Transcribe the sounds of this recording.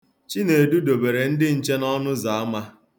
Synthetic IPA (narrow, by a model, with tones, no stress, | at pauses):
t͡ʃi˦ne˨du˦do˨be˨ɾe˨n̩˦dɪ˦n̩˨t͡ʃe˦nɔ˦nʊ˦za˨a˦ma˦